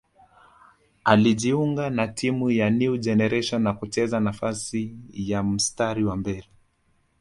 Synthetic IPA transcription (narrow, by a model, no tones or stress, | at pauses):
aliʄiuŋɡanatʰimujaniud͡ʒɛnɛɾɛʃɔnːakut͡ʃɛzanafasijam̩staɾiwambɛɾi